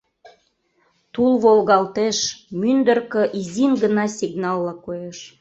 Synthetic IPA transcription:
t̪ulβolɣɑlt̪eʃmynd̪ərkə̆ʔizinɡənɑsʲiɡnɑlˠːɑkojeʃ

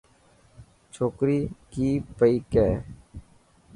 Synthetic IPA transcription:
t͡ʃʰoːkɾiːkiːpəiːkɛː

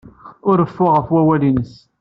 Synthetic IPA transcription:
ʊɾəfːʊʁəfwæwælinəs

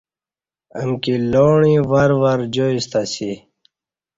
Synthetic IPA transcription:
ə̰mkiloːɳĩwɐɾwɐɾd͡ʑoist̪asi

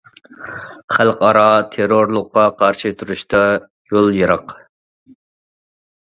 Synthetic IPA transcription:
χælqɑɾɑt̪ʰeɾoɾlˠʊqːɑqʰɑɾʃɨt̪ʰuɾuʃt̪ʰɑ | jolˠjəɾɑq

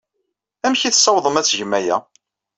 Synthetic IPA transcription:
æmçiθsˤːɑwðˤəmæt͡sʝəmæjæ

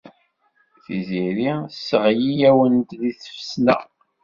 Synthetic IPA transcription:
θiziɾisːəʁjijæwənt̪ðiθə̥fə̥snæ̰

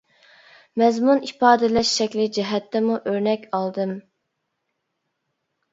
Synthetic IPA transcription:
mɛzmunipɑːd̪ɛlɛʃːɛkʲlɪd͡ʒɛɦɛt̪ʰːɛmuʔøɾnɛkʲɑlˠd̪ɨm

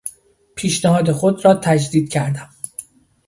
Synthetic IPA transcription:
pʰiːʃnæhɒːd̪e̞xo̞d̪rɒːt̪ʰæd͡ʒd̪iːd̪̥̚cʰæɾd̪æm

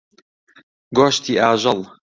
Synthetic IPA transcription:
ɡoːʃt̪iːʔaːʒɑl

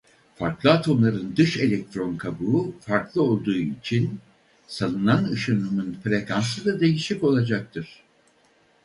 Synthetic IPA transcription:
faɾklˠɯat̪ʰo̞mlˠaɾɯnd̪ɯʃe̞lʲɛk̚t̪ʰɾo̞nkʰabuːfaɾklˠɯo̞lˠd̪uːit͡ʃʰin | sanˠɯnanɯʃanumɯnfɾekʰansɯd̪ad̪e̞jiʃiko̞lˠad͡ʒak̚t̪ʰɯɾ̥

